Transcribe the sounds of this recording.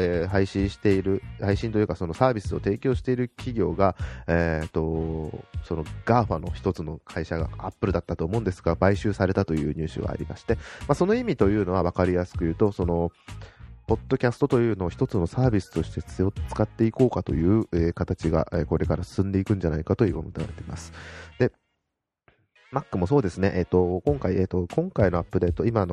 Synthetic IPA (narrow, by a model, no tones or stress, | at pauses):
eɦaiɕĩɕi̥t̪e̞iɾɯ̟haiɕĩnt̪o̞jɯ̟kaso̞no̞saːbʲisɨo̞t̪e̞ːkʲo̞ːɕi̥t̪e̞iɾɯ̟kʲiɡʲo̞ːɡaet̪ːo̞ | so̞no̞ɡ̥aːɸano̞̰çi̥t̪o̞t͡sɨno̞kʰaiɕaɡa̰apːɯ̟ɾɯ̟d̪at̪ːat̪o̞ːmo̞ɯ̃nd̪esɨ̥ɡabaiɕɨːsaɾe̞t̪at̪o̞jɯ̟̰ːɲ̟ɨːɕɨ̰ɡa̰ːɾʲḭma̰ɕi̥t̪e̞masono̞imʲit̪o̞jɯ̟ːno̞β̞aβ̞akaɾʲijasɨ̥kɯ̟jɯ̟ːt̪o̞so̞no̞ | po̞d̪ːo̞kʲasɨ̥t̪o̞t̪o̞jɯ̟ːno̞ːçi̥t̪o̞t͡sɨno̞saːbʲisɨ̥t̪o̞ɕi̥t̪e̞t͡sot͡sɨ̥kat̪ːe̞iko̞ːkat̪o̞̰jɯ̟ːeːkat̪at͡ɕiɡa̰ʔeko̞ɾe̞kaɾasɨ̥sɨ̃nd̪e̞ikɯ̟̃ɲ̟d͡ʑanaikat̪o̞jḭːomot̪ea̰ɾet̪eima̰sɨ̥d̪̥e̞ | makːɯ̟mo̞so̞ːd̪esɨne̞ʔet̪ːo̞kõ̞ŋkaiet̪o̞kõ̞ŋkaino̞apːɯ̟d̪e̞ːt̪o̞imano̞